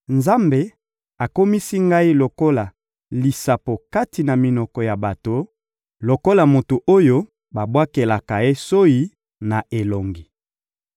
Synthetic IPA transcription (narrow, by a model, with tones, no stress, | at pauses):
nza˦mbe˦ | a˨ko˦mi˦si˦ŋɡa˦i˦lo˨ko˦la˨ | li˨sa˨po˨ka˦ti˨na˨mi˨nɔ˨kɔ˨ja˨ba˨to˨ | lo˨ko˦la˨mo˨to˨ʔo˦jo˦ | ba˨bwa˦ke˨la˨ka˨e˦so˦i˦ | na˨ʔe˨lo˨ŋɡi˨